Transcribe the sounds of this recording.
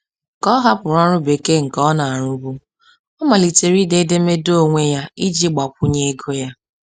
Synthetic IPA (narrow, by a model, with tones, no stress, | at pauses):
kɔ˦ɦa˦pʊ˨ɾa˦ɾʊ˦be˨ke˦ŋ̩˨kɔ˦na˨a˨ɾʊ˦bu˦ | ɔ˦ma˨li˨te˨ɾi˦de˦de˦me˦do˦˨ŋʷe˦ja˦i˦d͡ʒi˦ɡ͡ba˨k̚ʷʊ˦ɲe˦e˦ɡo˦ja˦